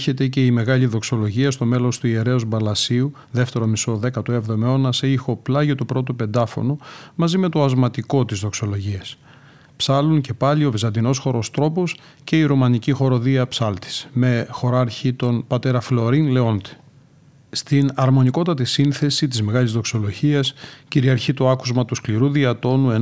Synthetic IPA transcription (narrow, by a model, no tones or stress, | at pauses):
çe̞t̪e̞ce̞ime̞ɣɐʎiðo̞kso̞lo̞ʝiɐst̪o̞me̞lo̞st̪uie̞ɾe̞ozbɐlɐsiu | ðe̞ft̪e̞ɾomiso̞ðe̞kɐt̪uevðomeo̞nɐseixo̞plɐʝot̪upɾo̞t̪upe̞nd̪ɐfo̞̰nomɐzime̞t̪o̞ɐzmɐt̪iko̞t̪izðo̞kso̞lo̞ʝiɐs | psɐlunce̞pɐʎio̞vizɐnd̪ino̞sxo̞ɾo̞st̪ɾo̞pos | ce̞iɾumɐnicixo̞ɾo̞ðiɐpsɐlt̪i̥sme̞xo̞ɾɐɾçit̪o̞npɐt̪e̞ɾɐflo̞ɾinle̞o̞nt̪i̥ | st̪inɐɾmo̞niko̞t̪ɐt̪isinθe̞sit̪izme̞ɣɐlizðo̞kso̞lo̞ʝiɐsciɾiɐɾçit̪oɐkuzmɐt̪uskliɾuðiɐt̪o̞nue